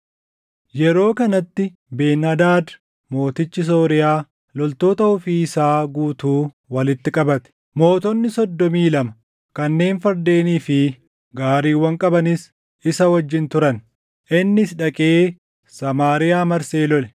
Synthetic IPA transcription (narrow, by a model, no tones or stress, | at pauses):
jɛɾo̞ːkɐnɐt̪ːɪ | be̞ːnːɐd̪aːd̪ | mo̞ːt̪ɪt͡ʃːɪs̬o̞ːɾɪjaː | lɔlt̪o̞ːt̪ɐhʊfiːɪsaːɡuːt̪uː | wɐlɪt̪ːɪkʼɐbɐt̪ɛ̥ | mo̞ːt̪ɔnːɪsɔd̪ːɔmiːlɐmɐ | kɐnːe̞ːnfɐɾd̪e̞ːniːfɪ | ɡaːɾiːwːɐŋkʼɐbɐnɪs | ɪsɐwɐd͡ʒːɪnt̪ʊɾɐn | ʔɪnːɪsᶑɐkʼeː | sɐmaːɾɪjaːmɐɾseːlɔlɛ